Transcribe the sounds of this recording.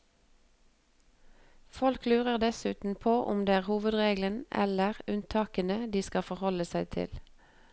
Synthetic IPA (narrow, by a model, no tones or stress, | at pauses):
fɔlklʉːʁəʁd̪ɛsʉːt̪n̩pʰoːʔʊmd̪eːæːʁhuːʋəd̪ʁeːɡlənɛ̰ləʁʉnt̪ʰɑːkənəd̪iːskɑfɔʁhɔləsæɪt̪ʰɪ̰l